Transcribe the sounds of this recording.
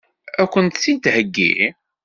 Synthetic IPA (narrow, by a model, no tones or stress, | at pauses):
ækʷːənt̪θid̪həɡːḭ